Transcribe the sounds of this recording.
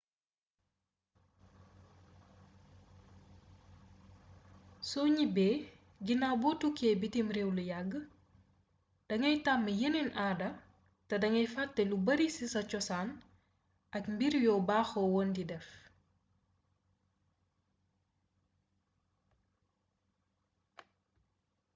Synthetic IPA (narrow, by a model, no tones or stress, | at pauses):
sɔɲibɛː | ɟinaːbɔtukːɛːbitimɾewlujaɡːə | d̥ɐŋɐjtamːəjəninʔaːdɐ | tɐdɐŋɐjfɐtːɛlubɐɾisisɐt͡ʃɔsaːn | ʔɐkmbiɾjɔːbaːxɔwɔːndidɛf